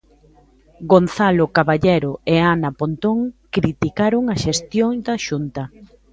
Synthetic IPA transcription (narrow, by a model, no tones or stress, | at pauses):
ɡonθalokaβaʎɛɾoeanɐpont̪oŋkɾit̪ikaɾoŋaʃest̪joŋd̪ɐʃunt̪ɐ